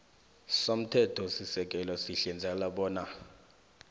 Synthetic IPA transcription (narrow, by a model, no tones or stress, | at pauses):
som̩tʰɛtʰɔsisɛk̬ʼɛlɔsiɬɛnd͡zʱalaɓɔːna